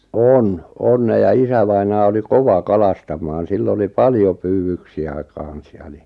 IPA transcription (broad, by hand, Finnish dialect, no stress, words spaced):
on on ne jɑ isæʋɑinɑː oli koʋɑ kɑlɑstɑmˑɑːn silː oli pɑljo pyːwyksiæ kɑˑn̞s jɑ ni